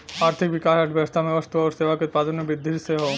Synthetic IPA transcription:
aɾt̪ʰikbikaʃaʈʰbest̪ameɔst̪oɔost̪ebaket̪̚pad̪onːobid̪ʱːiɾseɦo

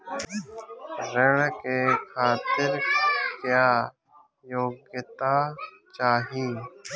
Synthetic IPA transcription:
ɾəɽkekʰaːt̪ɪɾkjaː | joːɡjt̪a | t͡ʃaːɦĩː

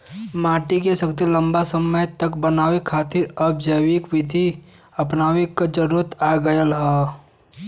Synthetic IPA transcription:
maːʈikesɐkt̪ilɐ̃mbasəməjt̪ɐkbɐnaːʋekʰaːt̪ɪɾɐbd͡ʒɐwikʋɪd̪ʱi | ɐpnaːʋekad͡ʒɐɾuːɾət̪aːɡɐjəlɦɛ

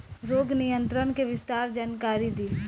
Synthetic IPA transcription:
ɾoːɡnɪjə̃nt̪ɾənkeʋɪst̪aːɾd͡ʒaːnkaːɾid̪iː

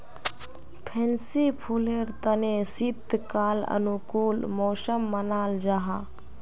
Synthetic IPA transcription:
pʰɛ̃nsipʰuːleɾt̪ənesit̪ːkaːlə̰nukuːlmoːsəmːənaːld͡ʒaɦaː

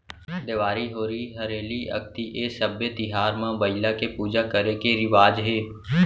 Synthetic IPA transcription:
d̪eʋaːɾiɦoːɾiiɦɐɾeːliʔɐ̰kʰt̪iʔeːsəbjet̪ɪɦaːɾmãbɐɪlakepuːd͡ʒakəɾekeɾɪʋaːd͡ʒɦeː

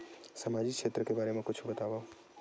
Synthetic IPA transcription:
səmaːd͡ʒikʃʰeːt̪ɾəkebaːɾemãkʊt͡ʃʰbət̪aːʋa

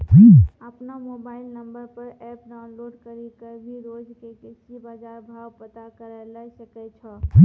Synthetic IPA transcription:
d͡ʒiəpnamobailnəmbəɾpəɾɛpɖaʊnloɖkəɾikəɾbʱiɾod͡ʒkekesibad͡ʒaɾbʱawpət̪akəɾalajsəkɛt͡ʃʰɔi

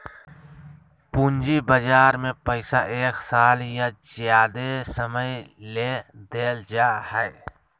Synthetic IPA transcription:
pund͡ʒibəd͡ʒaːɾmẽpəɪsaʔeːksaːljazjaːd̪esəməjled̪eːld͡ʒaːhɛe

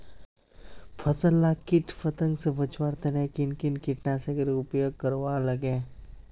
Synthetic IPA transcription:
pʰəsəlːakiʈʰpʰət̪ə̃ŋɡsebət͡ʃwaɾt̪enẽkinkinkɪʈnaseɡəɾiʊpjoːɡ̚kəɾwaːləɡẽː

